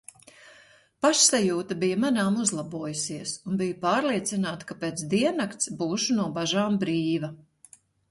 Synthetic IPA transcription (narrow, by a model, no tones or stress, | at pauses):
paʃsajuːt̪abijamanaːmuzlˠabuɔjusiɛsunbijupaːɾliɛt̪sinaːt̪kapeːt̪sd̪iɛnakt̪sbuːʃunuɔbaʒaːmbɾiːvɐ